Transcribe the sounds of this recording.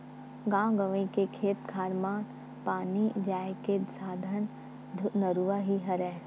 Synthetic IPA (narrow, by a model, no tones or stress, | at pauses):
ɡãːwɡəʋẽkekʰeːt̪ɡʰʱaːɾmaːn | paːnid͡ʒaːjket̪saːd̪ʱən | nəɾuʋaɦiɦɐɾɛː